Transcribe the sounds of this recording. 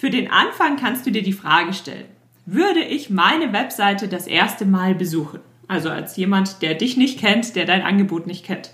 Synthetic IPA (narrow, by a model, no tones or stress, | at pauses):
fyːɐdeːnʔa̰nfaŋkʰanstd̥uːdiːɐdiːfʁ̥aːɡəʃtɛ̰lə̰n | vʏɐɾəʔɪçmaɪnəvɛpz̥aɪtədasʔḛːɐstəmaːlbəzuːxn̩ | ʔalzoa̰lsjeːmantd̥eːɐdɪçnɪçt̚kʰɛntd̥eːɐdaɪnʔa̰nɡəboːtnɪçt̚kʰɛnt